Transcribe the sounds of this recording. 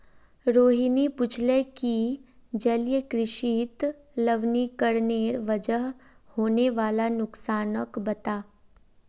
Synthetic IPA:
ɾoːɦinipʊt͡ʃʰlɛkid͡ʒəljəkɾɪʃiːt̪ | ləʋnikəɾneːɾʋəd͡ʒəɦhoːneʋaːlanʊksaːnəkbɐt̪aː

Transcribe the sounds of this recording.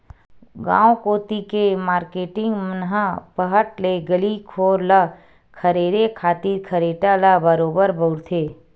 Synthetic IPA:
ɡã̰ːokoːt̪ikemaːɾkeːʈɪ̃ŋɡmənɦapəɦəʈleɡəlikʰoːɾla | kʰəɾeːɾekʰaːt̪iɾkʰəɾeːʈalabəɾoːbəɾbəʊɾt̪ʰeː

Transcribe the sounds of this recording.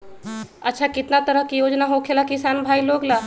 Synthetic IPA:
ɐtːʃʰakɪt̪nat̪əɾəkijoːd͡ʒnaɦokʰelakɪsaːnbʱaːiloːɡlaː

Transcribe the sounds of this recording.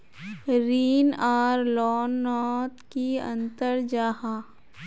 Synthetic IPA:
ɾiːnaːɾlɔːnːɔːt̪kiɐ̰̃nt̪əɾd͡ʒaːhaː

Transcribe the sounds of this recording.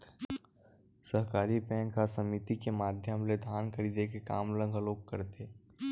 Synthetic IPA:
səɦkaːɾipɛ̃ːŋkasəmit̪ikemaːd̪ʱjəəmled̪ʱaːnkʰəɾiːd̪ekeka̰ːmlə̃ŋɡʱəloːkːəɾt̪eː

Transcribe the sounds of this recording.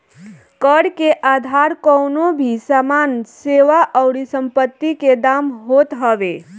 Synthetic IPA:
kəɽkeʔad̪ʱaɾkəʊnobʱisamanseʋaʔəʊɽisəmpət̪ːiked̪amɦot̪ɦəbe

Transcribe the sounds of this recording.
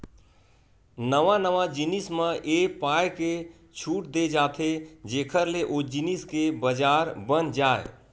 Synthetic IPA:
nəʋanəʋad͡ʒinisməʔepajke | t͡ʃʰuʈ̚d̪ed͡ʒat̪ʰed͡ʒeːkʰəɾleʔod͡ʒiniskebəd͡ʒaɾbənd͡ʒaːḛ

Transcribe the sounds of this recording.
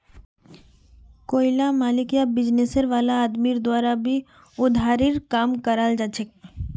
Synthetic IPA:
koːɪlamaːlɪkijabɪd͡ʒnesəɾʋaːlaːd̪miːɾd̪waːɾabʱi | ʊd̪ʱaːɾɪɾkaːmkəɾaːld͡ʒat͡ʃʰek̚

